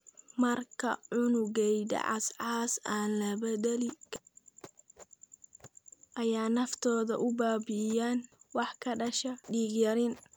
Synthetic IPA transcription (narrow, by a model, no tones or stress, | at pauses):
mɐrkʰɐ̰ʕʊnʊɣɛjd̪ɐ̰ʕɑsʕɑːsaːnlɐbɐdɛlɪ | ʔɐjaːnɐft̪ʰɔːðɐ̰ʔʊbaːbɪjaːnwɑħkʰɐɖɐʃɐɖiːɡjɐɾɪn